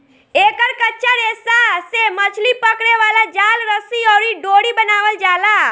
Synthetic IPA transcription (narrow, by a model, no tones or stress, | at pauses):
eːkəɾkətːʃʰaɾeːsasemət͡ʃʰlipəkɽeʋaːlad͡ʒaːlɾəsiɔːɾiɖoːɽibənaːʋəld͡ʒaːlaː